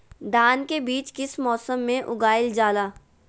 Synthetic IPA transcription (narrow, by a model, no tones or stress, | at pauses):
d̪ʱaːnkebiːt͡ʃkɪsmɔːsəmːẽʔʊɡaːɪld͡ʒaːlaː